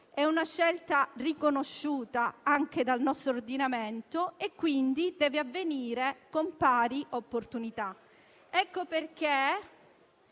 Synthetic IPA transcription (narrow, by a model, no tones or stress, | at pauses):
ɛunaʃːɛlt̪arikonoʃːuːt̪aaŋk̟ed̪alnɔst̪ɾoord̪inament̪oekːwind̪id̪ɛːveavːeniːɾekompaːɾiʔopːort̪unit̪a | ɛkːoperk̟e